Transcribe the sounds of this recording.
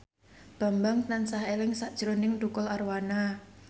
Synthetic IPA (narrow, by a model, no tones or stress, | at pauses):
b̥a̤mbaŋt̪ansaɦelɪŋsaʔd̥ʒ̥əɾonɪŋdukʊlarwana